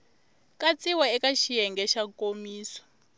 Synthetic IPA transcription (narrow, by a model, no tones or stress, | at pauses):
kat͡sʼiwaɛkaʃijɛŋɡɛʃakomiːsḁ